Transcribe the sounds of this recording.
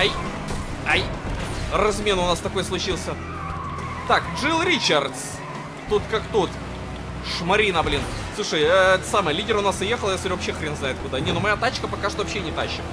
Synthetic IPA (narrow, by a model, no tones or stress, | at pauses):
aj | aj | rɐzmʲe̞nʊnast̪ɐkojəslˠʊt͡ɕilˠsʲə | t̪akʐɨlˠɾʲit͡ɕart̪s | t̪ut̪kakt̪ut̪ | ʂmɐɾʲinəblʲin | sˠuʂəjɛt̪samɨjlʲidʲɪɾʊnasɨjexəlˠjasɾʲʊvɐpɕːexɾʲenznajɪt̪̚kʊd̪anʲetnomɐjat̪at͡ɕkəpɐkaʂt̪ovɐpɕːenʲɪt̪aɕːɪm